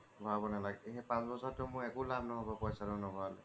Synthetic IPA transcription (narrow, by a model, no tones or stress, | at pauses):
bʱabɔnalaɡɛɦɛpãsbɔsɔtʊmʊɛkʊlab̚nɔɦɔbɔpɔjsaɾʊnɔbʱɔalɛ